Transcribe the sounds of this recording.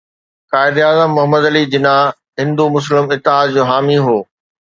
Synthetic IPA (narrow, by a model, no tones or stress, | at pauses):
kaːɪd̪aːzəmːʊɦəməd̪ɐlid͡ʑɪna | ɦɪ̃nd̪umʊs̬lɪmɪt̪ːɪɦaːd̪̚d͡ʑoːɦaːmiɦoː